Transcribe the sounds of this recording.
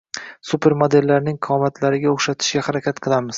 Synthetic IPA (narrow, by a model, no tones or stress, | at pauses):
supʰe̞ɾmod̪e̞lːaɾnɪŋqʰɑɒmat̪ʰlaɾɪɡʲaoχʃat̪ʰɪ̥ʃɡʲahaɾakʲʰat̪qʰɨlˠamɪz̥